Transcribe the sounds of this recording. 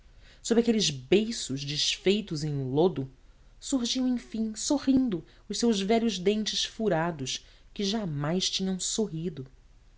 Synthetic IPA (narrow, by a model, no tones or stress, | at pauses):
sobɾʲakelɪzbejsʊzd͡ʒɪʃfejt̪ʊzẽj̃lod̪ʊ | suɾʒiɐ̃w̃ẽj̃fĩsoʁĩnd̪ʊ | ʊʃsewzvɛʎʊzd̪ẽnt͡ʃɪʃfuɾad̪ʊʃ | kɪʒamajʃt͡ʃĩɲɐ̃w̃soɦid̪ʊ